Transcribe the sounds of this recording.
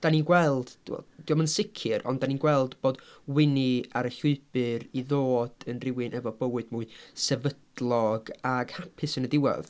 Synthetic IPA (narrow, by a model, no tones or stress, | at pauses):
d̥aninɡwɛlˠd̥ɛ̰d̥iɔmənsɪkʰɨɾʔɔ̰ndaninɡwɛlˠdb̥oːdwɪniaɾəɬʊɨb̥ɨɾiðoːd̥ənrɪwɨnʔɛvɔbəwɨdmuːɨsɛvədlˠɔɡaɡ̥hapʰɨsənədɪwɛ̰ð